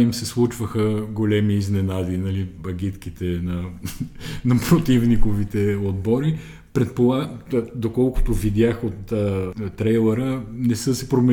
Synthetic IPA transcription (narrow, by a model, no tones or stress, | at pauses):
imsɛslˠut͡ʃvəxəɡolɛmiːznɛnad̪inɐlibɐɡʲit̪k̟it̪ɛnɐ | nɐpɾot̪ivnikovit̪ɛod̪̚bɔɾi | pɾɛt̪̚polˠad̪okɔlˠkʊ̥t̪ovid̪ʲjaxot̪ːt̪ːɾɛjlˠɛɾənɛsɤsɛpɾomɛ